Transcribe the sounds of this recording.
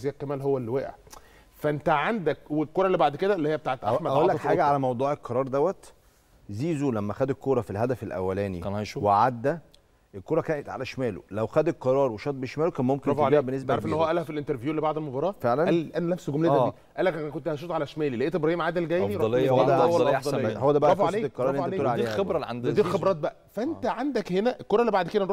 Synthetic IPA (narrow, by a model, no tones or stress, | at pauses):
zejækːæmæːlɦowːælweʔæ̰ʕ | fæʔent̪æʕand̪ækwelkoːɾˤɑlːibaʕd̪ked̪æelːihejːæbet̪aːʕet̪ʔaħmædæʔ̪ollːæħaːɡæʕalæmɑwd̪ˤuːʕelqɑɾˤɑːɾˤd̪æwːæt̪ | ziːzulæmːæxæd̪ekːoːɾˤɑfilhæd̪æfelʔæ̰wːælæːnḭnæʃuweʕad̪ːæ | ʔelkoːɾˤɑkæːnet̪ʕa̰læʃmæːlo̰læwxæd̪eqɑɾˤɑːɾˤweʃɑt̪̚ˤbeʃmæːlokæːnmomkeɾɑfebenːes̬bæaɾfʔenːhowæʔælæfilʔent̪eɾvjuːʔlːibaʕd̪elmobɑɾˤɑːfeʕlænælʔænælæfsɡomleæːiː | ʔæːlːækʔænkont̪hæʃ̬uːt̪ʕalæʃmæːlileʔeʔt̪ʔebɾɑhiːmʕad̪elɡæːjiɾˤɑlːoæd̪æw̪æhowːæd̪æbæʔɾɑfasleːeqːɑɾˤɑˤɾlːʔnt̪eeːeleʕd̪ːxebɾˤɑlʕand̪d̪ilxebɾˤɑːt̪̚bæʔæfæʔent̪æʕand̪ækhenæʔelkoɾˤɑʔlːibaʕd̪ked̪ænɾo